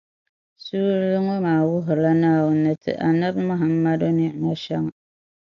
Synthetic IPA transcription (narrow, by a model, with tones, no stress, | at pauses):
suː˦lɨ˦ŋo˦maː˨wʊ˦ɦʊ˨la˦naː˦˨wʊ˦nːɨ˦tʰɨ̰˨ʔa˨na˦bmʊ˦ɦa˨mːa˦do˦nɪ˦˨ʔna˦ʃɛ˦ŋ˨